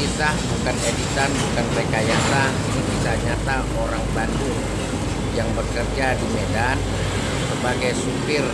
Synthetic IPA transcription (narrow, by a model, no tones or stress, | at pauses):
isahbukanedit̪anbukanpekajasa | niŋbisaɲat̪aʔoɾaŋbanduŋ | jaŋbəkərd͡ʒadimedan | səbaɡajsupɪr